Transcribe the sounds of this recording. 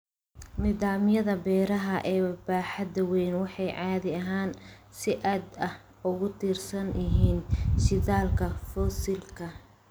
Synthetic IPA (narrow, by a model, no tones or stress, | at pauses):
niːðaːmjɐðɐbɛːɾɐɦɐʔɛːbaːħɑd̪ɐwɛjnwɑħɑjʕɑːðɪɐɦaːn | sɪʔaːd̪ɐh | ʊɣʊt̪ʰiːrsɐnɪɦiːnʃɪðaːlkʰɐfɔsɪlkʰɐ